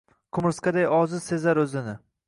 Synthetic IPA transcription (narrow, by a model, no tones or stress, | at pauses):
kʰʊmɪɾskad̪ajɒzɪsezaɾɵzɪnɪ